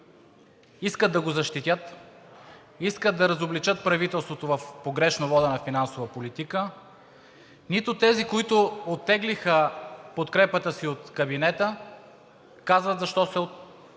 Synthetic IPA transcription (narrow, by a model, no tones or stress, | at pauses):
iskəd̪̚d̪ɐɡozɐʃt̪it̪ʲjət̪ | iskəd̪̚d̪ɐɾɐzoblit͡ʃət̪̚pɾɐvit̪ɛlˠst̪vot̪ovɐfpoɡɾɛʃnovɔd̪ənɐfinansovəpolit̪ikə | nit̪ʊt̪ɛzikoit̪ʊot̪ːɛɡlixəpot̪kɾɛpət̪əsiot̪kɐbinɛt̪ə | kazvət̪zɐʃt̪ɔsɛo